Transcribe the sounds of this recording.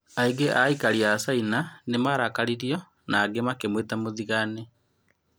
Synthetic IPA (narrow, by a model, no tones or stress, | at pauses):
aiɡeʔaikaɾiasainanemaɾakaɾiɾiɔ | naːɡemakemwetamoðiɣane